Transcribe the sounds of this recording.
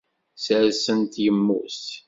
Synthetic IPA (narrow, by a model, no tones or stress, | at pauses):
səɾsənt̪jəmːṵs